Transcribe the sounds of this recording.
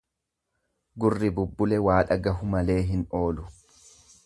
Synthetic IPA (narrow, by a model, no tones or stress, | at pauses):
ɡʊrːɪbʊbːʊlɛwaːᶑɐɡɐɦʊmɐle̞ːɦɪno̞ːlʊ